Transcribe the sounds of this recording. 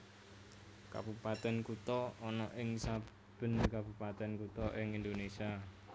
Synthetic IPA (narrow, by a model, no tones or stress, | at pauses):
ka̰b̥upat̪ɛnkut̪ɔɔnɔʔɪŋsa | b̥ə̤nkab̥upat̪ɛnkut̪ɔʔɪŋind̪onesia